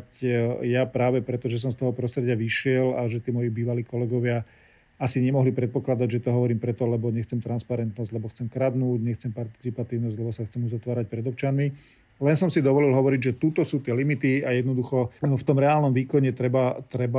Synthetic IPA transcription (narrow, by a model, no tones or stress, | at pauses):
cjapɾaːʋɛpɾɛt̪ɔʒɛs̬ɔmst̪ɔɦɔpɾɔst̪ɾɛɟɪaʋiʃɪɛlaʒɛt̪iːmɔjibiːʋaliːkɔlɛɡɔʋɪa | asiɲɛmɔɦlipɾɛt̪̚pɔklad̪aɟʒɛt̪ɔɦɔʋɔɾiːmpɾɛt̪ɔlɛbɔɲɛxt͡sɛmt̪ɾanspaɾɛnt̪nɔzɟ̥lɛbɔxt͡sɛmkɾad̪nuːɟɲɛxt͡sɛmpaɾt̪i̥t͡sipat̪iːʊnɔzɟlɛbɔsaxt͡sɛmuzat̪ʋaːɾac̚pɾɛd̪ɔʊt͡ʃanmi | lɛnsɔmsid̪ɔʋɔlilɦɔʋɔɾiɟʒɛt̪ut̪ɔsuːt̪ɪɛlimit̪iajɛd̪nɔd̪uxɔft̪ɔmɾɛaːlnɔmʋiːkɔɲɛt̪ɾɛbat̪ɾɛba